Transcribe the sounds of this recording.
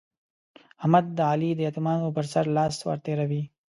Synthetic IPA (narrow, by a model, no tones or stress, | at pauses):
amad̪̚d̪əalid̪əjat̪umɑːnopəɾsaɾlɑːswa̰ɾt̪eɾawi